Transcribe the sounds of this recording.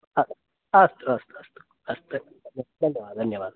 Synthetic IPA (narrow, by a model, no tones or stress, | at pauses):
ɐ | ɐst̪uɐst̪uɐst̪u̥ | ɐst̪u | d̪ʱɐnjɐʋaːd̪d̪ʱɐnjɐʋaːd̪